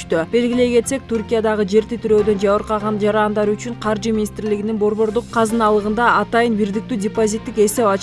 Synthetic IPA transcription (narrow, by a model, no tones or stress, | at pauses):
ʃt̪ybe̞lɡʲile̞ɡe̞t̪se̞k̚t̪ʰurkʲijad̪ɑʁəd͡ʒe̞ɾt̪it̪iɾø̞ːd̪ø̞nd͡ʒɑβɯɾqɑʁɑnd͡ʒɑɾɑnd̪ɑɾyt͡ʃyɴqʰɑɾd͡ʒɯmʲinʲist̪ɾlɪɡininbo̞ɾβo̞ɾd̪uqqʰːɑzɯnɑlˠɯʁɯnd̪ɑːt̪ɑjɯnbiɾd̪ik̚t̪ydʲepozʲit̪ːike̞se̞pɑt͡ʃ